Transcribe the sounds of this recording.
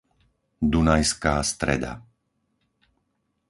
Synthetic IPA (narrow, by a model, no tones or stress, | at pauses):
d̪unajskaːst̪ɾɛ̰d̪a̰